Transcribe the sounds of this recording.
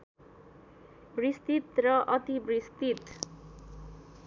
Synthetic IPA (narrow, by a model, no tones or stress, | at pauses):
brist̪it̪rʌʔʌt̪ibrist̪it̪